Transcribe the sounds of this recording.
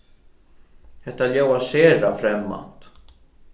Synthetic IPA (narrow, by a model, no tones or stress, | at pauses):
hɛt̪aljawaseːɾafɾɛmːa̰nt̪